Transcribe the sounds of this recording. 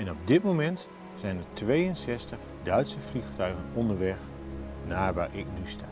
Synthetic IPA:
ɛnɔb̚dɪtmowmɛnt | sɛjnətʋejənsɛstəχ | dœɥtsəfliχtœɥχənɔndəɹʋɛχ | naːɹʋaːɹʔɪknystaː

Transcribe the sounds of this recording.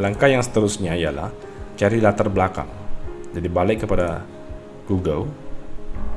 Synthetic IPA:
laŋkajaŋsə̥t̪əɾusɲaijala̰h | t͡ʃaɾilat̪ərbəlaka̰ŋd͡ʒadibalɪkːəpada | ɡ̥uɡəl

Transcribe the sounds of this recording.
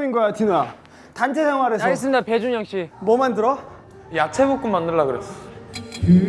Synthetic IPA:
inɡwatina | tant͡ɕʰesʰeŋwaɾesʌes͈ɯmidape̞d͡ʑuŋjʌŋɕ͈imʌmandɯɾʌ | jat͡ɕʰebuk͈ɯmmandɯɭːaɡɯɾes͈o̥

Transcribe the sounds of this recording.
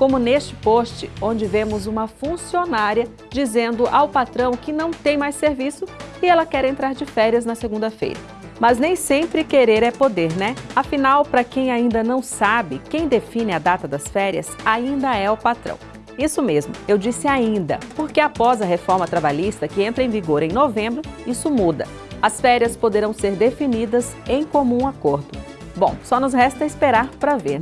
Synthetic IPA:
kõmʊnest͡ʃɪ̥post͡ʃɪõd͡ʒɪvẽmʊzũmɐfũsionaɾiɐ | d͡ʒizẽnd̪ʊʔawpat̪ɾɐ̃w̃kɪnɐ̃w̃t̪ẽj̃majsseɾvisʊɪɛlɐkɛɾẽnt̪ɾaɾd͡ʒɪfɛɾiɐznɐseɡũnd̪ɐfḛjɾɐ | mɐznẽj̃sẽmpɾɪkeɾeɾɛpod̪eɾnɛafinawpɾɐkẽj̃aĩnd̪ɐnɐ̃w̃sabɪkẽj̃d̪efĩnɪad̪at̪ɐd̪ɐsfɛɾiɐ̰saĩnd̪ɐɛʊpat̪ɾɐ̰̃w̃ | isʊmezmʊewd͡ʒisɪaĩnd̪ɐ̰poɾkeapɔzɐɦefɔɾmɐt̪ɾabaʎist̪ɐkɪẽnt̪ɾɐẽviɡoɾẽj̃novẽmbɾʊisʊmud̪ɐ̰ | ɐsfɛɾiɐspod̪eɾɐ̃w̃seɾd̪efinid̪ɐzẽj̃komũakoɾd̪ʊ | bõw̃sɔnʊzɦɛst̪ɐispeɾaɾpɾɐveɾ

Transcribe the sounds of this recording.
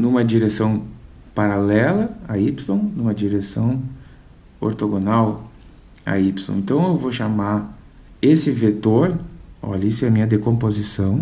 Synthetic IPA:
nũmɐd͡ʒiɾesɐ̃w̃ | paɾalɛlɐaipsõw̃nũmɐd͡ʒiɾesɐ̃w̃ | o̰ɾt̪oɡõnaw | a̰ipsõ̰ḛ̃nt̪ɐ̃w̃ewvoʃama | esɪvet̪oɾɔ̰ʎɐisʊɛɐmĩɲɐd̪ekõmpozisɐ̃w̃

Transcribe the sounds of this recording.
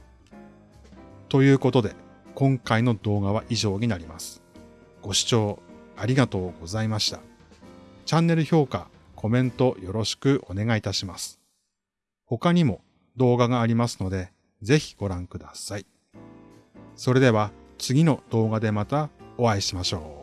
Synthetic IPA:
t̪o̞jɯ̟ːko̞t̪o̞d̪e̞ | kõ̞ŋkaino̞d̪o̞ːɡaβ̞aʔiʑo̞ːɲ̟inaɾʲimasɨ̥ | ɡ̥o̞ɕi̥t͡ɕo̞ːaɾʲiɡat̪o̞ːɡ̥o̞zaimaɕi̥t̪ḁ | t͡ɕãnːe̞ɾɯ̟ço̞ːka | kʰo̞mẽ̞nt̪o̞jo̞ɾo̞ɕi̥kɯ̟ʔo̞ne̞ɡait̪aɕimasɨ̥ | ho̞kaɲ̟imo̞ | d̪o̞ːɡaɡaːɾʲimasɨ̥no̞d̪e̞ | ze̞çi̥ɡ̥o̞ɾãŋkɯ̟d̪asai | so̞ɾe̞d̪e̞βa | t͡sɨɡʲino̞d̪̥o̞ːɡad̪e̞mat̪aoβaiɕimaɕo̞ː

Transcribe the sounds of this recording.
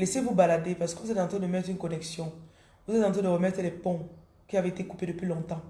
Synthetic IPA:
lɛsevubalad̪epaʁsə̥kəvuzɛt̪ɑ̃t̪ʁɛ̃d̪əmɛt̪χynkɔnɛksjɔ̃ | vuzɛt̪ɑ̃t̪ʁɛ̃dəʁəmɛt̪χlɛpɔ̃ | kʲiaveet̪ekuped̪əpɥilɔ̃t̪ɑ̃

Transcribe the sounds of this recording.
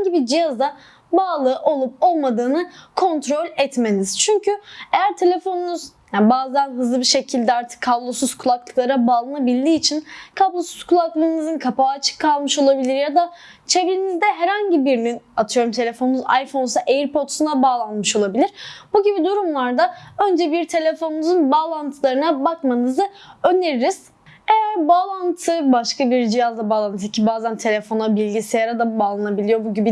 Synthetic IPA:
ɲɟibid͡ʒijazd̪a | baːlˠɯːʔo̞lˠup̚o̞lˠmad̪ɯːnɯkʰo̞nt̪ɾo̞lʲɛt̪me̞niz̥t͡ʃʰyɲcyejæɾt̪ʰe̞lʲe̞fo̞nunuz̥ | abaːzænɦɯzlˠɯbiʃe̞cʰilʲd̪ɛaɾt̪ʰɯ̥kʰːablˠo̞suz̥kʰulˠaklˠɯklˠaɾabaːlˠanabilʲd̪iːt͡ʃʰinkʰablˠo̞suz̥kʰulˠaklˠɯːnɯzɯnkʰapaːt͡ʃʰɯ̥kʰːalˠmɯʃo̞lˠabilʲiɾjad̪a | t͡ʃʰe̞vlinizd̪ɛɦɛɾaɲɟibiɾninat̪ʰɯjo̞ɾumt̪ʰe̞lʲe̞fo̞numuza̰jfo̞nsaʔejiɾpʰo̞t̪sund̪abaːlˠanmɯʃo̞lˠabilʲiɾ̥buɟibid̪uɾumlˠaɾd̪aø̞nd͡ʒɛbiɾt̪ʰe̞lʲefo̞numuzunbaːlˠant̪ʰɯlˠaɾɯnabakmanɯzɯø̞ne̞ɾiɾiz̥ | e̞jæɾbaːlˠant̪ʰɯbaʃkabiɾd͡ʒijazd̪abaːlˠant̪ʰɯicʰibaːzænt̪ʰe̞lʲe̞fo̞nabilʲɟisejaɾad̪abaːlˠanabilʲijo̞buɟibi

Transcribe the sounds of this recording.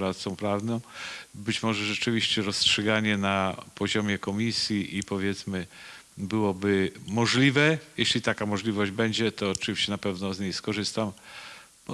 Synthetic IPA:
ɾat̪t̪sɔ̃w̃pɾavnɔ̃w̃bɘt͡ɕmɔʐɛʐɛt͡ʂɘvʲiɕt͡ɕɛɾɔstʂɛɡaɲɛnapɔʑɔmʲjɛkɔmʲisʲjiʔipɔvʲjɛt̪smɘ | bɘwɔbɘmɔʐlʲivɛjɛɕlʲit̪akamɔʐlʲivɔʑd͡ʑbɛɲd͡ʑɛt̪ɔːt͡ʂɨvʲiɕt͡ɕɛnapɛvnɔzɲejskɔʐɘst̪am

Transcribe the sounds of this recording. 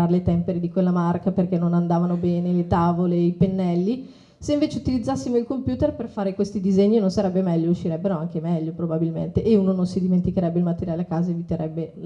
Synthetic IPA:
aɾelet̪ɛmpeɾed̪ikwelːamarkaperkenːonand̪aːvanobɛːnelet̪aːvoleipenːɛlːi | seiɱveːt͡ʃeut̪ilid̪zːasːimoilkompjuːt̪erperfaːɾekwest̪id̪izeɲːinonsaɾɛbːemɛʎːouʃːiɾɛbːeɾoaŋkemɛʎːopɾobabilmḛnt̪eʔːunononsid̪iment̪ikeɾɛbːeilmat̪ːeɾjalakaːzaevit̪eɾʔɛbːe

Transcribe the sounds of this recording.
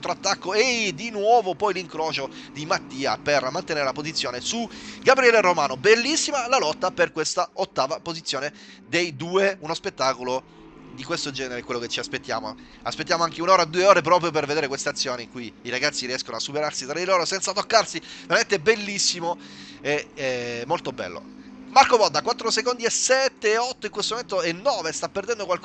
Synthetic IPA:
t̪ɾoat̪ːakːoed̪inwɔːvopɔjliŋkɾoːt͡ʃo | d̪imat̪ːiːa̰permant̪eneːɾelapozit̪sːjoːnesuɡabɾiɛleromaːnobelːisːimalalɔt̪ːaperkwest̪aot̪ːaːvapozit̪sjoːne | d̪ejd̪uːeunospet̪ːaːkolo | d̪ikwest̪od͡ʒɛːneɾeɛkwelːoket͡ʃːiaspet̪ːja̰ːmo̰ | a̰spet̪ːjaːmoaŋk̟eunoːɾad̪uːeoːɾep̬ɾɔːpɾjop̬erved̪eːɾekwest̪eat̪sːjoːniŋkujiɾaɡat̪sːiɾiɛskonoasːupeɾarsit̪ɾad̪iloːɾosɛnt̪sat̪okːarsiveɾament̪eɛbːelːisːimo | eɛmːolt̪obɛ̰lːo̰markobɔd̪ːakwat̪ːɾosekond̪iɛsɛt̪ːeɔt̪ːoiŋkwest̪omoment̪oɛnːɔːvest̪apːerd̪ɛnd̪okwalk

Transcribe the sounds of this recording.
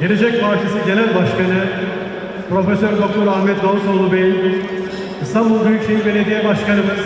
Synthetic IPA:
ɟeɾe̞d͡ʒɛc̚pʰaːɾt͡ʃʰisiɟe̞nælʲbaʃkanɯ | pɾo̞fesøɾbok̪uɾahmɛt̪ɡalˠɯsolˠubeji | ist̪ʰambulˠd̪yjykʃejibened̪ijɛbaʃkanɯmɯ

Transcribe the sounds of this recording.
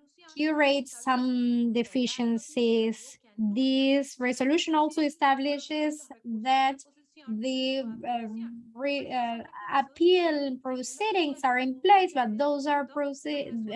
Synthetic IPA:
juɹeɪtsãmd̪ɪfiʃə̃nsiz | ðisɹɛsoluʃɔ̃nɔlsoʊɛstæblɪʃɪzðæt̪ | ði | ɹi | apʰilpɹosiɾɪ̃ŋsaɹɪ̃npleɪsbat̪̚ðoʊz̬aɹpɹosi

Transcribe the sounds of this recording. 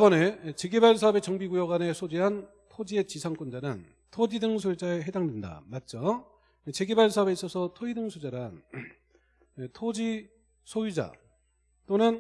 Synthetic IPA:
bʌne̞t͡ɕe̞ɡebaɭsʰaɦʌbe̞t͡ɕʌŋbiɡujʌɡwane̞sʰod͡ʑiɦan | tʰod͡ʑie̞t͡ɕisʰaŋk͈und͡ʑanɯn | tʰod͡ʑidɯŋsʰoid͡ʑaeɦe̞daŋdwe̞nda̰mat̚t͡ɕ͈ʌ | et͡ɕe̞ɡebaɭsʰaɦʌbe̞is͈ʌsʰʌtʰoidɯŋsʰud͡ʑaɾɯn | etʰod͡ʑi | sʰojid͡ʑa̰ | t͈onɯn

